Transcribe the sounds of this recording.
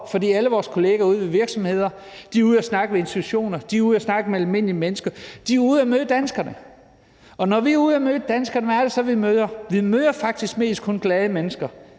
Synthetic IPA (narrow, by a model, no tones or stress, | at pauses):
fɒd̥ḭːæləʋɒːskʰo̝le̝ːɡ̥æuð̞̩̰ˠʋeʋiɐɡ̥sɒ̽mhe̝ð̞̰ˠɐ | d̥iɐuð̞ˠæsnɑ̈ɡ̥əmee̝nstit͡sʰuɕo̝̰ːnɐd̥iuðˠæsnɑ̈ɡ̥əmeælme̝n̰limenəsɡ̥ɐd̥iuð̞̩ˠæmøðˠəd̥ænsɡ̥ɐnə | ɒ̽nɒʋiuð̞̩ˠæmø̥ːəd̥ænsɡ̥ɐnəʋææɐɾ̥e̝sɒ̽ʋimøðˠɐʋimøːðˠɐfɑ̈ɡ̥̚d̥isɡ̥̚me̝̰ːsd̥̚kʰɔ̽nɡ̥lɛð̞ˠəmenəsɡ̥ɐ